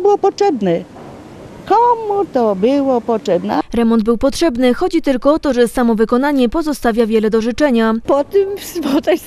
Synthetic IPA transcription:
bɘwɔpɔtʂɛbnɛ | kɔmut̪ɔbɘwɔpɔtʂɛbnɛ̰ɾɛmɔnd̪̚bɘwpɔtʂɛbnɘxɔd͡ʑit̪ɘlkɔɔt̪ɔʐɛsamɔvɘkɔnaɲɛpɔzɔst̪avʲjavʲjɛlɛd̪ɔʐɘt͡ʂɛɲapɔt̪ɪmsvɔt̪a

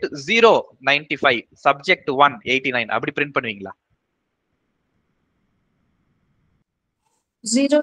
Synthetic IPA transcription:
ʈziːɾoːnɐɪnʈifɐɪʋsɐb̚d͡ʒek̚ʈʋɐneːʈːinɐɪnʔɐ̰pːɐɽipɾɪɳʈ̚pɐɳːɯʋiːŋɡɐlɭa̰ː | ziːɾoː

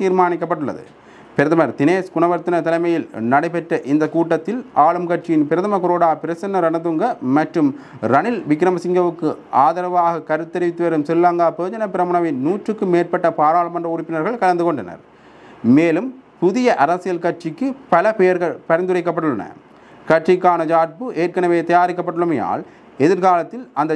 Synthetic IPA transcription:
t̪iːɾmaːnɪkːɐpːɐʈːɯɭːɐ̰ðɯ̰ | pɪɾɐðɐmɐɾt̪ɪneːskʊɳɐʋɐɾt̪ːɪnɐt̪ɐlɐɪmɐjɪlnɐɽɐɪpɛʈrɐʔɪnd̪ɐkuːʈːɐt̪ːɪlaːɭɯmkɐʈ̚t͡ʃɪjɪnpɪɾɐðɐmɐkʊɾoːɽaːpɪɾɐsɐnːɐɾɐnɐt̪ɯŋɡɐmɐʈrɯm | ɾɐnɪlʋɪkːɪɾɐmɐsɪŋɡɐʋɯkːɯʔaːðɐɾɐʋaːɣɐkɐɾɯt̪ːɛɾɪʋɪt̪ːɯʋɐɾɯmsɛlːaŋɡaːpɯːd͡ʒɐnɐpɪɾɐmʊɳɐʋɪnuːʈrɯkːɯmeːrpɐʈːɐpaːɾaːlɐmɐndrɐʊɾɪpːɪnɐɾɣɐɭkɐlɐnd̪ɯkɔɳɖɐnɐ̰ɾ | meːlɯmpʊðɪjɐʔɐɾɐsɪjɐlkɐʈt͡ʃɪkːɯpɐlɐpejɐɾɣɐɭpɐɾɐnd̪ɯrɐɪkːɐpːɐʈɯɭɐnɐ̰ | kɐʈrɪkːaːnɐd͡ʒaːʈ̚pɯʔeːrkɐnɐʋeːt̪ɐjaːɾɪk̬ːɐpːɐɽɯɭɯmɐja̰ːl | ɛðɪɾkaːlɐt̪ːɪlɐnd̪ɐ

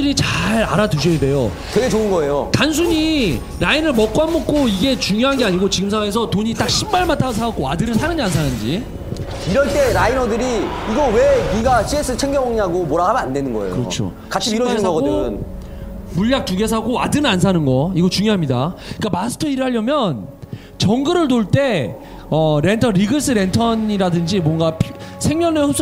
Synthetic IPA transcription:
ɯɾit͡ɕaɾa̰ɾaduɕ̬ʰʌjede̞jo | twe̞ɡet͡ɕoɯnɡʌe̞jotans̬ʰuɲi | ɾainɯɭmʌk͈ɦanmːʌk͈ʰoiɡe̞t͡ɕuŋjoɦanɡe̞aɲiɡot͡ɕiɡɯmsʰaŋwaŋes̬ʰʌtoɲit͈ak̚ɕʰimːaɭmatʰasʰak͈̚oadɯɾɯɭsʰanɯnd͡ʑians̬ʰanɯnd͡ʑi | iɾʌɭt͈e̞ɾainʌdɯɾi | iɡʌweɡiɡaɕʰies͈ʰɯt͡ɕʰeŋɡʌmaŋɲiɦaɡomoɾaɦamʌnande̞nɯnɡʌḛjkoɯɾʌ̰t͡ɕʰo̰ | kat͡ɕɕʰiɾʌmaŋʌɡʌdɯn | muʎːak̚t͈uɡe̞s̬ʰaɡoadɯɾɯans̬ʰanɯnɡʌiɡʌt͡ɕuŋjoɦamɲida̰ik͈amasʰɯ̥tʰʌiɾɯɭɦaʎːʌmjʌn | t͡ɕʌŋɡɯɾɯɭtoɭt͈e̞ | ʌɾe̞ntʰʌɾiɡɯs͈ʰɯɾe̞ntʰʌɲiɾadɯnd͡ʑimwʌŋɡapʰsʰe̞ŋmjʌneɸop̚s͈

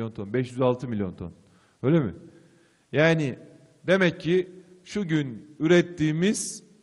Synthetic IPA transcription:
jo̞nt̪ʰo̞nbɛʃjyzalˠt̪ʰɯmilʲjo̞nt̪ʰo̞̰n | øjlʲemɪ̰ | jaːnɪ | d̪e̞mɛcʰːiʃuɟynyɾɛt̪ʰːiːmiz̥

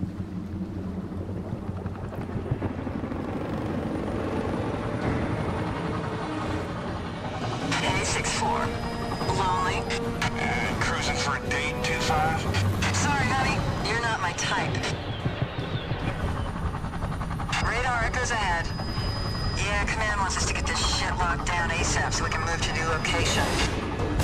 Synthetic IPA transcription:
eɪsɪksfɔ̰ɹ | lõʊ̃nli | ɨkʰɹ̥ʉzɨ̃nfədeɪntʰʉfaɪv̥sɑɹinɑɾijə˞nət̚maɪtʰaɪp | ɹeɪɾɑɹɨɡ̥oʊzɨhɛd̥ | jækʰəmæ̃ndwɑ̃nsʌstʰɨɡɛt̪ðɨʃɪʔˡlɑk̚d̥ãʊ̃neɪsɛfsoʊwikʰɨ̃nmʉv̥tʰɨnʉloʊkʰeɪʃɨ̃n

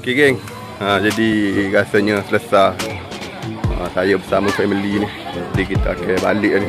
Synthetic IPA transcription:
kiɡɛŋ | ad͡ʒadiɡasəɲəsələsa | əsajəbəsaməsaməlinid͡ʒadikit̪aakeba̰liʔni

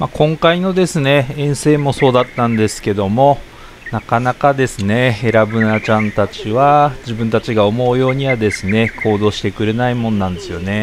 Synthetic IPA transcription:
makʰõ̞ŋkaino̞d̪e̞sɨne̞ẽɰ̃se̞ːmo̞so̞ːd̪at̪ːãnd̪e̞sɨ̥ke̞d̪o̞mo̞ | nakanakad̪e̞sɨne̞eɾabɯ̟nat͡ɕãnt̪at͡ɕiβad͡ʑibɯ̟̃nt̪at͡ɕiɡaomo̞ɯjo̞ːɲ̟iβad̪e̞sɨne̞kʰo̞ːd̪o̞ːɕi̥t̪e̞kɯ̟ɾe̞naimõ̞nnãnd̪e̞sɨjo̞ne̞

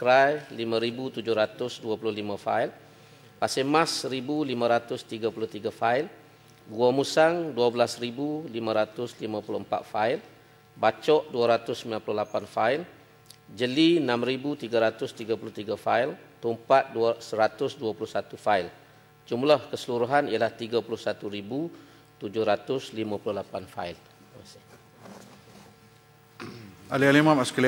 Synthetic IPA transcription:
kɾajlimãɾibut̪ud͡ʒʊhɾat̪ʊsduapulʊhlimãfail | pasemãsəɾibulimãɾat̪ʊst̪iɡapulʊht̪iɡafail | ɡuamũsaŋduabəlasɾibulimãɾat̪ʊslimãpulʊəmpa̰t̪̚fail | bat͡ʃɔʔduaɾat̪ʊsəmbilanpuluhlapanfail | d͡ʒəlinãmɾibut̪iɡaɾat̪ʊst̪iɡapulʊht̪iɡafailt̪umpat̪̚duasəɾat̪ʊsduapulʊhsat̪ufail | d͡ʒumlahkəsəluɾuɦanialaht̪iɡapulʊhsat̪uɾibu | t̪ud͡ʒʊhɾat̪ʊslimãpulʊhlapanfa̰il | asɪ | alialimãmaskali

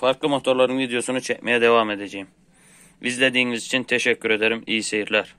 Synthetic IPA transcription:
fɑɾklˠɯmot̪ʰoɾlˠɑɾɯnvid̪ejo̞sunut͡ʃʰɛcmɛjɛd̪ɛvaːmed̪ed͡ʒejim | vizlʲed̪iːnizit͡ʃʰint̪ʰeʃɛcʰʲːyɾed̪eɾimijisejiɾlʲæɾ

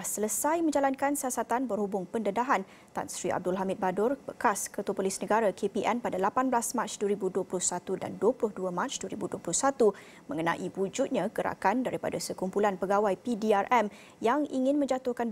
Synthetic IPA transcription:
sələsajmə̃ɲd͡ʒalankansiasat̪anbərhubʊŋpəndədaɦan | t̪a̰nsɾiʔa̰b̚dʊlɦamɪt̪̚badʊrb̥ə̰kaskət̪uapolisnəɡaɾakʰepiʔɛnpadalapanblasmãt͡ʃduəɾibuduəplʊhsat̪uda̰nduwəplʊhduəmãt͡ʃduəɾibuduəplʊhsat̪u | mə̃ŋənã̰ʔiwud͡ʒut̪̚ɲãɡəɾa̰kandaɾipa̰dasəkumpulanpəɡawajpidiarʔɛm | jaŋiŋɪ̃nmə̃ɲd͡ʒat̪ʊhkan

